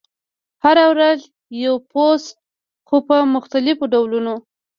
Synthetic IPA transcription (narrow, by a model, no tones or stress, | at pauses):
haɾawɾaz | jawpos | xopəmʊxt̪alɪfoɖawluno